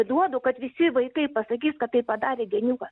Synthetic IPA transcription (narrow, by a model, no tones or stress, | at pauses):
d̪uɔd̪oːkɐt̪ʋʲɪsʲɪʋɐɪkɐɪpɐsɐkʲiːskɐt̪t̪ːɐɪpɐd̪ɑːɾʲeːɡʲɛnʲukɐs